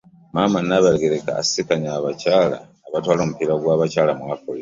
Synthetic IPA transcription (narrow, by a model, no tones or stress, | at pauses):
mamanaβaɾeɡeɾeka̰ːsikaɲaːβacaːla̰ːβatwaːlomupiɾaɡwaːβacaːlamwaːkoli